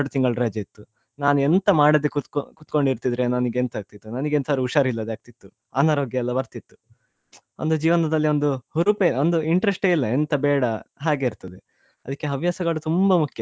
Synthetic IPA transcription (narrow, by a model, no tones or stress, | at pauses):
ɖut̪iŋɡɐɭɾaːd͡ʒeit̪ːu | naːnuent̪ɐmaːɽɐd̪ekukut̪ko̞ɳɖiɾt̪id̪ɾe̞nɐniɡeent̪aːɡ̚t̪it̪ːunɐniɡent̪saɾiuʃaːɾilːɐd̪eaːɡ̚t̪it̪ːu | aːnaːɾoːɡjɐɛlːɐbɐɾt̪it̪ːu̥ | ond̪ud͡ʒiːʋɐnɐd̪ɐlːio̞nd̪uhuɾupeond̪uiɳʈɾesʈeilːɐent̪ɐbɛːɽɐɦaːɡe̞iɾt̪ɐd̪e | ɐd̪ɐkːeɐʋjaːsɐɡɐɭut̪umbɐmukʰjɐ